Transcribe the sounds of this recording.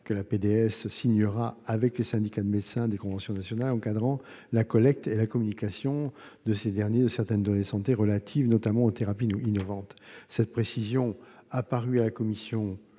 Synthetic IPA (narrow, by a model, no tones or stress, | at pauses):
kəlaped̪eɛssiɲəʁaavɛkləsɛ̃d̪ikad̪əmed̪sɛ̃d̪ekɔ̃vɑ̃sjɔ̃nasjɔnalɑ̃kad̪ʁɑ̃ | lakɔlɛk̚t̪elakɔmynikasjɔ̃ | d̪əsed̪ɛʁnjed̪əsɛʁt̪ɛnd̪ɔned̪sɑ̃t̪eʁəlat̪ʰivnɔt̪amɑ̃ot̪eʁapiinɔvɑ̃t̪sɛt̪̚pχesizjɔ̃apaʁyalakɔmisjɔ̃